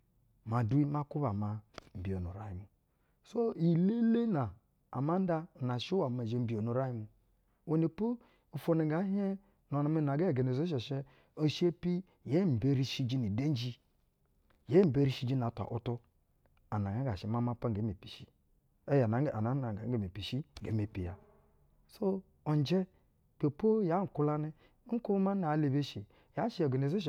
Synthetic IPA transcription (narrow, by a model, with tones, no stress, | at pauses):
ma˨du˦i˦ma˦ku˦βa˨ma˨m̩˨bi˨o˨nu˨ɾa˨ji˨˦mu˨ | so˦i˨le˦le˦na˨ | a̰˨ma˦n˦da˦˨na˨ʃi˦wa˨ma˨d͡ʒe˨m̩˦bi˨o˨nu˨ɾa˦ji˦mu˨ | wo˨ni˨pu˦ | u˨fo˦ni˨˦ɡa˨˦ɦe˦ | no˨na˨mi˦na˨ɡe˦˨ɡe˨ne˨zo˦ʃ̬e˨ʃe˦ | o˦˨ʃi˦e˦pi˦ | je˦m̩˨be˦ɾi˦ʃi˦d͡ʒi˦ni˨de˦n˦d͡ʒi˦ | je˦m̩˨be˦ɾi˦ʃi˦d͡ʒi˦n˨a˨ta̰˨ʔo˦to˦ | a˨na˨ŋa˦ɡa˨ʃi˨ma˦ma˦pa˦ŋ˨ɡe˨˦me˨pi̥˨ʃi˦ | e˦ja˨a˨na˨˦a˨ɡa˨˦e˦˨me˨pi˨ʃi˦ŋ˨ɡḛ˨˦me˨pi˨ja˨ | so˦ | o˨n˨d͡ʒe˦ | pe˨po˦ja˨˦ŋ̩˨ku˦la˦ni˦ | ŋ̩˦ku˦ma˦n˨a˨˦le˨be˦ʃi˨ | ja˨˦ʃi˦e˨ɡe˨ne˨zo˦ʃ̬